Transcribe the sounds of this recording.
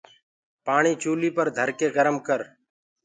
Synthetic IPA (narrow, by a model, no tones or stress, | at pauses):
paːɳ̃iːt͡ʃuːliːpəɾd̪ʱəɾkeːɡəɾəmkəɾ